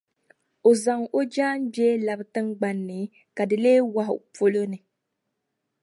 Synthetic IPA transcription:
o˨za˨ŋo˦d͡ʒaː˦n˦bjɛː˦la˨bɨ˨tɨ˦ŋɡ͡ba˨nːɨ˨ | ka˨dɨ˨leː˦wa˦ɦʊ̰˨po˦lo˦nɨ˨

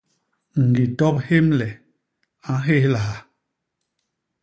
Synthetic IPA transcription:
ŋ̩˨ɡi˨tɔ˦p̚he˦mlɛ˨ | a˨˦ɦe˦˨hla˨a˨

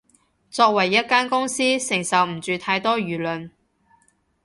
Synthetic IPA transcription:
t͡sɔː˧k̚wɐ˨˩jːɐ˥t̚kaː˥nkʊ˥ŋsiː˥sɪ˨˩ŋsɐ˨wm̩˨˩t͡ʃyː˨t̪ʰaː˧jt̪ɔː˥ɥyː˨˩lɵ˨n

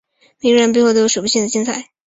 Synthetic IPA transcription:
mi˧˥ŋɻə˧˥p̬xwd̪ə˧o˥ʂu˨˩pu˥ɕi˥˩ŋd̪ə˩t͡ɕi˥nt͡sʰa˥˩ɪ

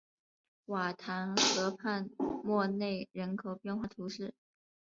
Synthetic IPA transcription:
wa˨˩t̪ʰa˧˥nxɤ˧˥pʰa˥˧nmwɔ˥˧ne˥˩ɪɻə˧˥nkʰo˨˩ʊpjɛ˥˧nxwa˥˩t̪ʰu˧˥ʂɻ̩˥˩

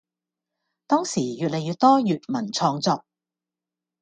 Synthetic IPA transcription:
t̪ɔː˥ŋsiː˨˩jyː˨t̚le˨jyː˧t̚t̪ɔː˥jyː˨t̚mɐ˨˩nt͡sʰɔː˧ŋt͡sɔː˧k̚

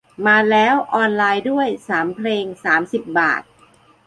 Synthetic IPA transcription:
maː˧lɛː˦˥wʔɔː˧nlaː˧jdu˥˩əjsaː˩˦mpʰleː˧ŋsaː˩˦msi˨˩p̚ba̰ː˨˩t̪̚

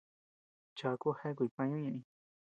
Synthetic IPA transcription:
t͡ʃa˨˧ku˦he˦k̬ʷi˨˧pã˧ɲũ˦ɲã˧ʔĩ˧

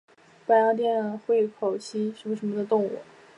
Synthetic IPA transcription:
pa˥˩jɑ˥ʊt̪̬jɛ˥˩n˨˩xwe˥˩ɪkʰo˨˩ʊt͡ɕʰi˥ʂ̩˧˥mə˧ʂ̬ə˧˥nmə˧d̪ə˧t̪ʊ˥˧ŋṵ˥˩

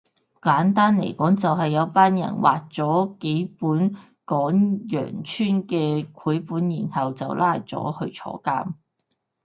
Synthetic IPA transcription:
kaː˨˥nt̪aː˥nlḛ˨˩jkɔː˨˥ŋt͡sɐ˨wɦɐ˨jːɐ˨˧wpaː˥njɐ̰˨˩nwa̰ː˨k̚t͡sɔː˨˥ke˨˥jpuː˨˥n | kɔː˨˥ŋjœ̰ː˨˩ŋt͡ʃʰyː˥nkɛː˧kʰuː˨˥jpuː˨˥njiː˨˩nhɐ˨wt͡sɐ˨wlaː˧jt͡sɔ̰ː˨˥hɵ˧ɥt͡ʃʰɔ̰ː˨˥kaː˥m

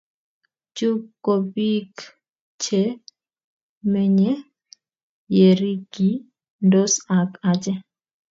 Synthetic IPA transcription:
d͡ʒt͡ʃu˦kːo˨bi˦k | t͡ʃe˦ | mɛ˦ɲɛ˦ | je˨ɾi˦ɡi˨˦ | ndo˦sa˨ka˨t͡ʃɛ˦

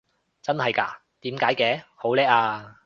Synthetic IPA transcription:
t͡sɐ˥nhɐ˨jka̰ː˧ | t̪iː˨˥mkaː˨˥jkɛː˨˥ho˨˥wlɛː˥k̚aː˧

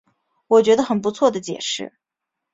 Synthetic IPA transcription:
wɔ˨˩t͡ɕɥɛ˧˥d̪ə˧xə˨˩np̬u˧˥t͡sʰwɔ˥˩d̪ə˩t͡ɕjɛ̰˨˩ʂɻ̩˥˩

